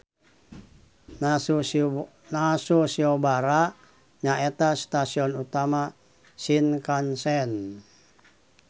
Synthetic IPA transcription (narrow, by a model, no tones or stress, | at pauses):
nasusiɔbaɾaʔ | ɲaɛt̪ast̪asiɔnut̪ama | sinkansɛn